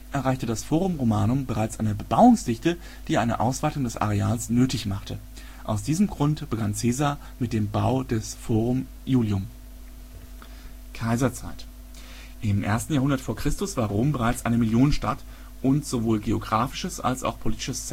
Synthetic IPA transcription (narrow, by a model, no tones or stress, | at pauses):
ʔɛɐʁaɪçtədasfoːʁʊmʁomaːnʊmbəʁaɪt͡sʔaɪnəbəbaʊʊŋsd̥ɪçtə | d̥iːʔaɪnə̰ʔaʊsv̥aɪtʊŋdɛsʔa̰ʁeaːlsnøːtɪçmaχtʰə | ʔaʊs̬d̥iːzəmɡʁʊntb̥əɡant͡seːzaɐ | mɪt̚d̥eːmbaʊdɛsfoːʁʊm | juːljʊm | kʰaɪzɐt͡saɪt | ʔɪmʔḛːɐstn̩jaːhʊndɐtfoːɐkʁ̥ɪstʊsv̥aːɐʁoːmbəʁaɪt͡sʔaɪnəmɪljoːnənʃtat | ʔʊntz̥ovoːlɡeoɡʁaːfɪ̥ʃəsa̰lsa̰ʊxpʰoliːtɪ̥ʃəs